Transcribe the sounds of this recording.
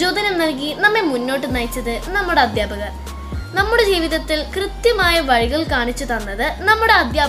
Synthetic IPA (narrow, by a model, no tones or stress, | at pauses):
d͡ʑoːd̪ɐnɐnɐlk̬inɐmːe̞munːo̞ːʈːɨnɐjt͡ɕːɐðɨnɐmːuɽe̞ɐd̪jaːbɐɣɐr | nɐmːuɽe̞d͡ʑiːʋiðɐt̪ːilkrɨt̪jɐmaːjɐʋɐɻiɣɐɭkaːɳit͡ɕːut̪ɐnːɐðɨnɐmːuɽe̞ɐd̪jaː